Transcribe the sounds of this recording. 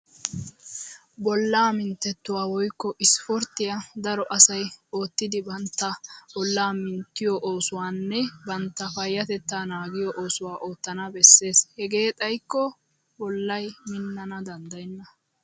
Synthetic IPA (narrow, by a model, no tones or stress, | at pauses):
bɔlːaːmɪnt̪ːɛt̪ːʊwaːwɔjkːɔʔɪspɔɾt̪ːɪjɐd̪ɐɾɔʔɐsɐjo̞ːt̪ːɪd̪ɪbɐnt̪ːɐbɔlːaːmɪnt̪ːɪjɔʔoːsʊwaːnːɛbɐnt̪ːɐfɐjːɐt̪ɛt̪ːaːnaːɡɪjɔʔo̞ːsʊwaːʔo̞ːt̪ːɐnɐbɛsːe̞ːshɛɡe̞ːt̪ʼɐjkːɔ | bɔlːɐjmɪnːɐnɐd̪ɐnd̪ɐjnːɐ